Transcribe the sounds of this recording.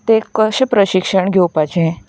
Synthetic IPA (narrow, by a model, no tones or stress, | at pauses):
t̪ekəɕpɾəɕikʂəɳɡʱowpat͡ɕẽ